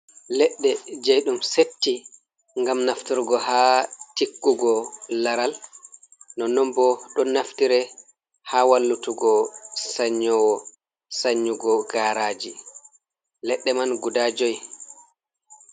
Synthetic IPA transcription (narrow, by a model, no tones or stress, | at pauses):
lɛɗːɛd͡ʒɛjɗumsetːi | ŋɡamnaftuɾɡɔhaːtikːuɡɔlaɾal | nɔnɔmbɔɗɔnaftiɾɛ | haːwalːutuɡɔsaɲːɔwɔ | saɲːuɡɔɡaːɾaːd͡ʒi | lɛɗːɛmanɡudaːd͡ʒoj